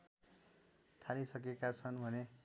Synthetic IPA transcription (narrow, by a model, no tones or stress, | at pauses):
t̪ʰalisʌk̬ekat͡sʰʌnbʱʌne